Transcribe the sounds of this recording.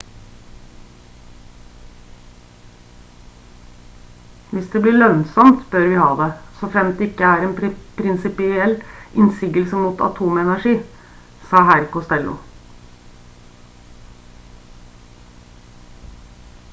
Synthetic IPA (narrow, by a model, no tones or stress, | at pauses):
ʋɪsd̪eːbliːɭœnsɔmt̪bœɾʋɪhɑ̰ːd̪ɛsɔfɾɛmt̪ɛɪkːəæːɾɛːnppʰɾɪnsɪpɪɛlːɪnsiːɡəlsəmuːt̪ɑ̰t̪ʰuːmɛnæʂiː | sɑːɦæɾkʊst̪ɛlːʊ̰